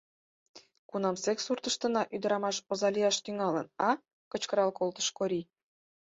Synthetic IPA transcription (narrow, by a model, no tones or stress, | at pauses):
kunɑmseksurt̪əʃt̪ə̆nɑʔyd̪əɾɑmɑʃozɑlijɑʃt̪yŋɑlənɑ | kət͡ɕkəɾɑlkolt̪ə̥ʃkoɾi